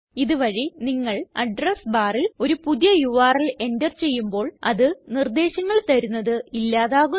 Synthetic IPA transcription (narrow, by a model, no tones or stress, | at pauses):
iðɨʋɐɻiniŋːɐɭɐɖrɐsbaːrilo̞ɾupuðjɐjuʋaːrile̞ndɐrt͡ɕe̞jːumbo̞ːɭɐ̰ðɨnird̪e̞ːɕɐŋːɐɭt̪ɐɾunːɐðɨilːaːðaːɣu